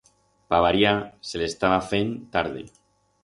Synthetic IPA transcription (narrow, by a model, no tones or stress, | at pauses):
paβaɾjaselest̪aβafent̪aɾð̞ḛ